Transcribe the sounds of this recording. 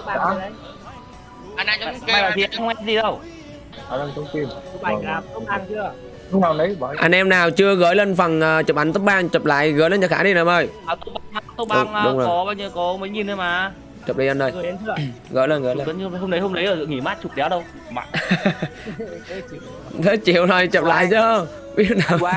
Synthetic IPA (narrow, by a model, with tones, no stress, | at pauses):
a̰ː˧˦˨ | ʔa˧nʔa˧t͡ɕːɓaː˨˩laː˨˩zi˨˩ʔa˧ŋhə˧ŋ͡mʔɛ˧zi˨˩ɗə˧˩w | aː˨˩lə˧˩nt̪ʰə˧ŋ͡mt̪i˧no˧a˧˩aː˨˦˨t̪̚ɓaː˧˩ŋt͡ɕɨ˧ə˨ | ʊ˨˦naː˨˩wnə˨˦ja˨ʔa˧nʔɛ˧mnaː˨˩wt͡ɕɨ˧əɣəː˧˦jlə˧nfa˨˩ŋʔəː˨˩t͡ɕə˨˩p̚ʔa˨˦nt̪ə˦˥k͡p̚ɓaː˧ŋt͡ɕə˨˩p̚la̰ː˧˨jɣəː˨˦jlə˧nt͡ɕə˧˩xaː˧˥ɗi˨˧˩nə˨˦məː˧˩jaː˨˩t̪o˧˦ɓaː˧ŋmaː˧˩t̪o˧ɓa˧ŋaː˧ɗʊ˨˦ŋ͡mzo˨˩ɔ˨˦ɓaː˧ɲəː˧kɔ˨˦mə˨˦jɲi˨˩nzə˨˦jmaː˨˩˧ | t͡ɕə˨˩p̚ɗə˨˦ʔə˧nːəː˨˩jɣə̰ː˧˩jlə˧˩nɣəː˨˦˨lə˧˨˦ɲ˧˨˩ho˧ŋ͡mnɗə˨˦jhə˧ŋ͡mɗə˨˦jʔəː˨˩zŋi˧˩maː˦˥t̚t͡ɕu˨˩k̚ɗɛ˨˦wɗə˧w | ɓa̰ː˧˨n | t̪ʰə˨˦˥t͡ɕi˨˩əwnə˨˩jt͡ɕə˨˩p̚la̰ː˧˨jt͡ɕɨː˨˦˧ | i˧˦˥naː˨˩w